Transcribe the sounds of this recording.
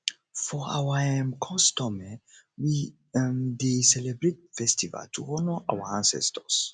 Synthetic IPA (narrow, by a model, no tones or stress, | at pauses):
fɔa̰waɛ̃mkʰɔstɔmɛ | wi | desɛlɛbɾet̚fɛstiva̰ltʰuhɔnɔʔa̰wəãnsɛ̰stʰəs